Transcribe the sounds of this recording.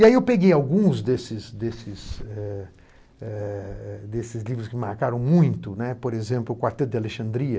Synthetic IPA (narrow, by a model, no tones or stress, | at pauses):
iaiewpeɡejawɡũzd̪esɪsd̪esɪsɛ | ɛɛd̪esɪzlivɾʊskɪɪmaɾkaɾɐ̃w̃mũj̃t̪ʊnɛpoɾezẽmplʊkwaɾt̪ɛt̪̚d̪ɪaleʃɐ̃nd̪ɾiɐ